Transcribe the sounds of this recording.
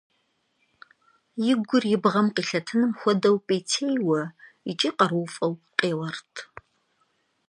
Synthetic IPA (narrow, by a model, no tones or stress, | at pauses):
jɪɡʷʊrjɪbʁɐmqiːɬɐtʰɨnɨmxʷɔdɐwpʼeːtʰejwɐ | it͡ʃʼiːqɐrwʊfʼɐwqeːwɐrtʰ